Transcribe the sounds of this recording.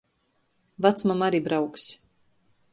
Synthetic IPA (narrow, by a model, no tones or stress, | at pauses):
vat̪smamaɾiːbɾawksʲ